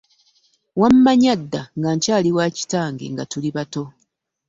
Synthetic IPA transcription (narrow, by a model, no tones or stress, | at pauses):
wamːaɲadːaŋɡaɲcaːliwaːci̥taːŋɡḛŋɡatuliβato̞